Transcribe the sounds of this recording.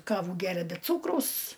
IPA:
ˈkɑːʋuː ˈɡʲæːrʲɛ bʲɛ ˈt͡suːkrɐʊs

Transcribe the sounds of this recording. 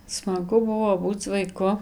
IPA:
smɐˈɡʊ ˈbʊʋoː ˈbuːt͡s ʋɐɪˈkʊ

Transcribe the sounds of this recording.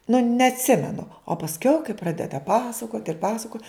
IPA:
nʊ nʲɛɐtʲˈsʲɪmʲɛnʊ oː pɐsʲˈkʲɛʊ kɐɪ ˈprɑːdʲɛdɐ ˈpɑːsɐkoːtʲ ɪr ˈpɑːsɐkoːtʲ

